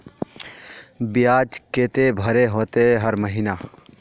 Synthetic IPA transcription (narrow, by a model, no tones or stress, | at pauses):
bɪjaːd͡ʒkeːt̪ebʱəɾeɦoːt̪eɦəɾməɦina